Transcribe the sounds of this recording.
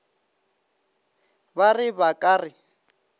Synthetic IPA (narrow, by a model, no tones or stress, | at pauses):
barɪβakʼaːrɪ